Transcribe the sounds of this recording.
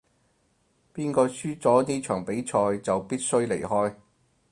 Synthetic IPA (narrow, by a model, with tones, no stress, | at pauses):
piː˥nkɔː˧syː˥t͡sɔː˨˥niː˥t͡ʃʰœ̰ː˨˩ŋpe˨˥jt͡ʃʰɔː˧jt͡sɐ˨wpiː˥t̚sɵ˥ɥle˨˩jɦɔː˥j